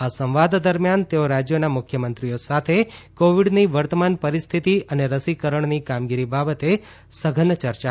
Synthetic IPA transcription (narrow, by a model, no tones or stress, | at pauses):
asə̃mʋad̪d̪əɾmjant̪eoɾad͡ʒjonamʊkʰjəmənt̪ɾijosat̪ʰekoʋiɖniʋəɾt̪əmanpəɾist̪ʰit̪iəneɾəsikəɾəɳnikamɡiɾibabət̪e | səɡʱənt͡ʃəɾt͡ʃa